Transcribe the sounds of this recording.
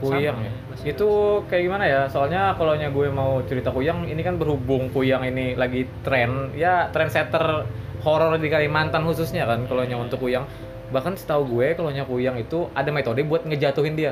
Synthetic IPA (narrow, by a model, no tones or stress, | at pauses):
kujaŋj | it̪ukajaɡimanajasoalɲakaloɲaɡuɛmaut͡ʃəɾit̪akujaŋinikanbərhubʊŋkujaŋinilaɡit̪ɾɛnjat̪ɾɛnsɛt̪ər | hoɾɔrdikalimant̪anhususɲakankaloɲaunt̪ʊkːujaŋ | bahkansə̥t̪auɡuekaloɲakujaŋit̪uadamet̪odibuat̪̚ŋəd͡ʒat̪uɦɪndia